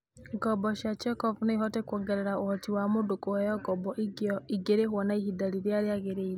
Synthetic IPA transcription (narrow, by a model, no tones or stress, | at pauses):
ɡɔbɔʃat͡ʃɛkɔvneiɦɔtɛkɔɡɛɾɛɾaohɔtiwamodokohɛjɔɡɔbɔiɡeɾeɦwɔnaihidaɾiɾjaɾeaɣeɾeiɾe